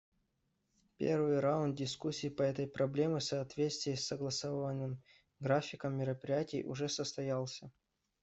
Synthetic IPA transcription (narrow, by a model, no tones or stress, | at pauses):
pʲḛrvɨjɾaʊnd̪̚dʲɪskusʲːiːpəɛt̪əjpɾɐblʲemɨsɐːt̪vʲet̪st̪vʲɪjəsʲːəɡlˠɐsovvənːɨm | ɡɾafʲɪkəmːʲɪɾəpɾʲɪjætʲɪ̰jʔʊ̰ʐɛsəst̪ɐjalˠsʲə